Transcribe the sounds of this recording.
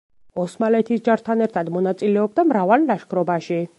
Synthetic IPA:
ɔsmalɛt̪ʰisd͡ʒaɾt̪ʰanɛɾt̪ʰad̪mɔnat̪sʼilɛɔb̚d̪amɾavalnaʃkʰɾɔbaʃi

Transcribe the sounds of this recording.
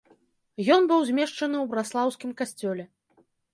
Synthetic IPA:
jɔnbɨwzʲmʲɛʂt͡ʂɐnɨwbɾaslˠawskʲimkasʲt͡sʲɔlʲɛ

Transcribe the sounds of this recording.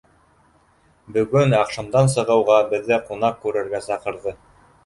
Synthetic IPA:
bɵ̆ɡɵnɑqʃɤ̆md̪ɑns̬ɤ̆ʁɤ̆wʁɑbɘ̆ðːɘqunɑq̚kʉɾɘ̆ɾɡæsɑqɤ̆ɾðɤ

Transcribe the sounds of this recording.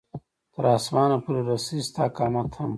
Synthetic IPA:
t̪əɾɑːsmɑːnapuɾeɾɐsist̪aːkɑːmɐt̪hɐm

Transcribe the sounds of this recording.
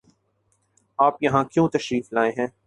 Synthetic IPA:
aːpjɐɦãkjõːt̪ɐʃɾiːflaːẽɦɛ̃ː

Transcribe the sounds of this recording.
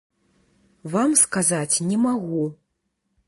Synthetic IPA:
vamskazat͡sʲnʲɛmaɣu

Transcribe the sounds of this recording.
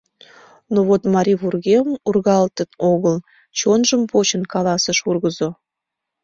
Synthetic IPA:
noβot̪mɑɾʲiβurɣemurɣɑlt̪ənoɣəl | t͡ɕonʒəmpot͡ɕənkɑlɑsəʃurɣəzo

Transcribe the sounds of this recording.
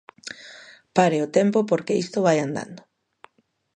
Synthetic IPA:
paɾeot̪empopoɾkeist̪oβajand̪a̰nd̪o

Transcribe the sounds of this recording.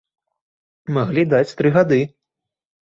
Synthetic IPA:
maɣlʲid̪at͡sʲt̪ɾɨɣad̪ɨ

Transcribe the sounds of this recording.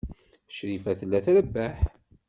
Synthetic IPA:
ʃɾifæθəlːæθɾəbːæħ

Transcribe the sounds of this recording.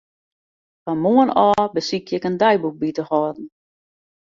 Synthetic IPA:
famoənɔːbəsikʰjɪkəndɛjbuk̚bitəhɔdn̩

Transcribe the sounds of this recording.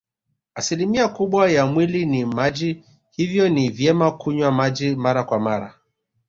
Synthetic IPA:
asilimiakuɓwajamwilinimad͡ʒi | hivjɔnivjɛmakuɲwamad͡ʒimaɾakwamaɾa̰

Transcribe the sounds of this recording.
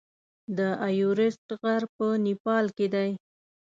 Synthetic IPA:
d̪əajuɾɪst̪ɣaɾpənipɑlked̪aj

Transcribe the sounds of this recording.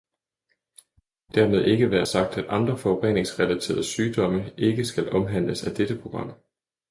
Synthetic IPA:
d̥æɐ̰me̝ð̞ˠe̝ɡ̥əʋæːɐsɑ̈ɡ̥̚d̥æd̥ʔɑ̈nd̥ʁɐfɒ̽oʁɛne̝ŋsʁɛlæt͡sʰe̝̰ːɐðˠsyːd̥ɒ̽məʔe̝ɡ̥əsɡ̥ælʔɒ̽mɦæn̰ləsæd̥ed̥əpʰʁo̝ɡ̥ʁɑ̈m̰

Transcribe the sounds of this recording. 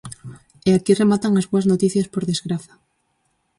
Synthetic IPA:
eakiremat̪aŋazβoaznot̪iθjaspoɾðezɣɾaθḁ

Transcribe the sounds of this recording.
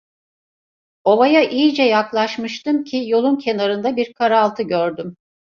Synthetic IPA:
o̞vajaʔijid͡ʒɛjaklˠaʃmɯʃt̪ɯmcʰijo̞lˠuncʰe̞naɾɯnd̪abiɾkʰaɾalˠt̪ʰɯɟøɾd̪ym

